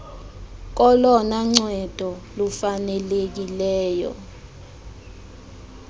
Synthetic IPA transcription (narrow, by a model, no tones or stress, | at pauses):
k̬ɔlɔnaŋ͡ǀɛd̥ʱɔlufanɛlek̬ilɛːjɔ̰